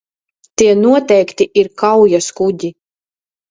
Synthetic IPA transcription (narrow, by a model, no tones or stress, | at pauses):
t̪iɛnuɔt̪ɛjkt̪iʔiɾkawjaskudʲi